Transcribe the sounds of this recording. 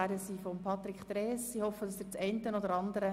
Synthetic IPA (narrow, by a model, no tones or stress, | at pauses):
æɾəsiːfɔmpʰɑt̪ɾikt̪ɾɛːsihɔfːədɑsdɪt͡sɛɪntənɔd̪əɾɑnd̪əɾə